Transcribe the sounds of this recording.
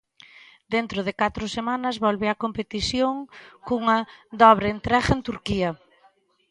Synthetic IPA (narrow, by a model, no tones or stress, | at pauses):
d̪ent̪ɾʊðɪkat̪ɾʊsemanɐzβɔlβeakompet̪iθjoŋkuŋɐd̪ɔβɾent̪ɾaɣent̪uɾkiɐ